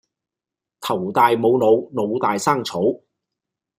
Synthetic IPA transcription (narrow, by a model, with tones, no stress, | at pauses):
t̪ʰɐ˨˩wt̪aː˨jmo˨˧wno˨˧wno˨˧wt̪aː˨jsaː˥ŋt͡sʰo˨˥w